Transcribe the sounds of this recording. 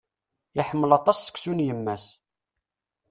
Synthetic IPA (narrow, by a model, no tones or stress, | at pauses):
jaħəmːəlɑt̪ˤɑsːə̥kːsunjəmːæs